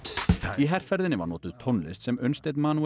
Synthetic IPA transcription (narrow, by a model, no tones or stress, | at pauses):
iɦɛr̥fɛɾðɪnɪva̰ɾnɔ̰ːt̪ʏð̥t̪ʰɔnlɪ̰st̪sɛmœɥnst̪ejt̪maːnu